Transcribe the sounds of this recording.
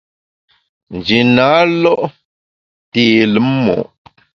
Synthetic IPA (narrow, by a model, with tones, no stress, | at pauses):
n̩˨d͡ʒi˨na˨˦lɔ˦ʔ | teː˦˨lə˨˦mmɔ̰˨ʔ